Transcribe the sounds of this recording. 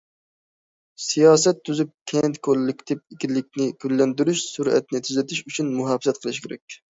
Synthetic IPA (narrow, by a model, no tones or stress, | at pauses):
sijɑːsɛt̪ʰːyzyp̚kʲʰɛnt̪kʰolːɪkʲt̪ʰɪp̚ikʲilːɪk̚ʲnɪɡʲylːɛnd̪yɾyʃsuɾɛ̰t̪nɪt̪ʰyzɛt̪ʰɪʃyt͡ʃʰynmuɦɑfsɛt̪̚qʰəlˠɨʃkʲeɾɛ̰k̚ʲ